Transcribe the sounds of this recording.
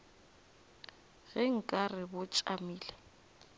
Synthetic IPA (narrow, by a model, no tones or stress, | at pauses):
ɣɪŋ̩kʼarɪbʊt͡ʃʼamiːlɛ